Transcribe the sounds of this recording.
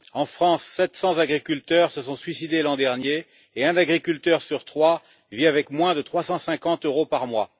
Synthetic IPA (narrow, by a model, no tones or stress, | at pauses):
ɑ̃fχɑ̃sːɛt̪sɑ̃zaɡʁikʲylt̪œʁsəsɔ̃sɥisid̪elɑ̃d̪ɛʁnjeː | ɛ̃nd̪aɡʁikʲylt̪œʁsyʁt̪χwa | viavɛkmwɛ̃d̪ət̪χwasɑ̃sɛ̃kɑ̃t̪øʁopaʁmwa